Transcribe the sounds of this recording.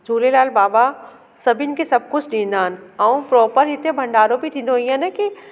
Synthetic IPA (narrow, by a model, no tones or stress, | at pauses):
d͡ʒʱuːlelaːlbaːba | sɐbʱɪnɪ̆kesɐb̚kʊd͡ʑʰɗĩːnd̪aːɦənɪ̆ɐũpɾɔːpəɾɦɪt̪ebʱɐ̃ɳɖaːɾobʱit̪ʰĩːnd̪oɦĩanɛki